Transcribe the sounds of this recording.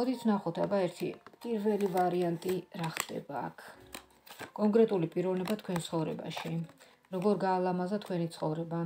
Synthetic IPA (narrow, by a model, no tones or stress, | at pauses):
ɔd̪it̪sʰnaχɔt̪ʰabaɛɾt̪ʰḭpʼiɾvɛlivaɾiant̪ʼiɾaχd̪̥ɛ̰ba̰ːkʰ | kʼɔŋkʼɾɛt̪ʼulipʼiɾɔvnɛbat̪ʰkʰwɛnt̪sʰχɔvɾɛ̰ba̰ʃi | ɾɔɡɔɾɡaːlˠamazat̪ʰkʰwɛnit̪sʰχɔvɾɛba